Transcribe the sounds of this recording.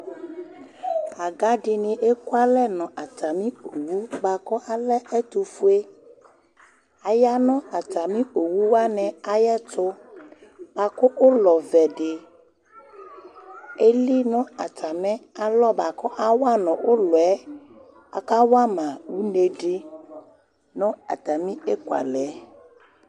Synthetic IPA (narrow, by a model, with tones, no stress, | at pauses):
a˨ɡa˦ɖɪ˨nĩ˨ʔe˦ku˦a˦lɛ˦nɔ̃˨ʔa˨t̪a˨mĩ˦o˨wu˦ba˨kɔ˦ʔa˦lɛ˦ʔɛ˦t̪u˨fu˦e˦ | a˨ja˦nɔ̃˦a˨t̪a˨mĩ˦o˨wu˦wa˦nɛ̃˨a˦jɛ˦tʊ˦ | b̥a˨ko˦ʔo˦lɔ˨vɛ˨ɖe˨ | e˦li˦nɔ̃˦a˨t̪ʰa˨mɛ̃˦a˨lɔ˦ba˨kɔ˦ʔa˦wa˦nɔ̃˨wʔo˦lɔ˨ɛ˦ | a̰˨ka˦wa˦mã˨wu˦ne˨ɖe˦ | nɔ̃˦a̰˨t̪a˨mĩ˦e˦kwa̰˨lɛ˨˦